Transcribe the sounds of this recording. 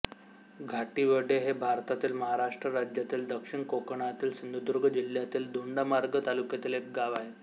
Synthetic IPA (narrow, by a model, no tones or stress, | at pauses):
ɡʱaʈiʋəɖeɦebʱaɾt̪at̪iːlməɦaɾaʂʈɾəɾad͡ʑjat̪iːld̪əkʂiɳkokɳat̪iːlsənd̪ud̪uɾɡʱəd͡ʑil̤jat̪iːld̪uɳɖamaɾɡət̪alukjat̪iːlek̚ɡaʋaɦe